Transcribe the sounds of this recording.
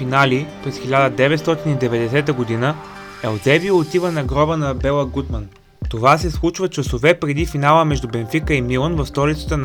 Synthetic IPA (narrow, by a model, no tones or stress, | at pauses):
finalipɾɛsxilʲad̪əd̪ɛvɛt̪st̪ɔt̪inid̪ɛvɛd̪ɛsɛt̪̬əɡod̪inə | ɛlˠzɛbiot̪ivənɐɡɾɔbənɐbɛlˠəɡut̪mən | t̪ovas̬ɛslˠut͡ʃvət͡ʃɐsovɛpɾɛd̪ifinalˠəmɛʒd̪ubɛnfikəimilˠənvɐfst̪ɔlʲit̪sə̥t̪ən